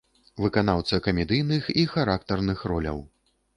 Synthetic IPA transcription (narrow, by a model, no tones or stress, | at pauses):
vɨkanawt̪sɐkɐmʲɛd̪ɨjnɨxixaɾak̚t̪ɐrnɨxrɔlʲɐ̰w